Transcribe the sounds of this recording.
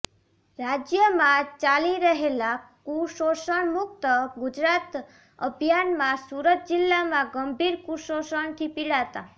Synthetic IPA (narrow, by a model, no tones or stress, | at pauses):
ɾad͡ʒjəmãt͡ʃaliɾəɦelakuʃoʃəɳmʊk̚t̪əɡud͡ʒɾat̪ | əbʱjanmãsuɾət̪̚d͡ʒilːamãɡəmbʱiɾkuʃoʃəɳt̪ʰipiɭat̪a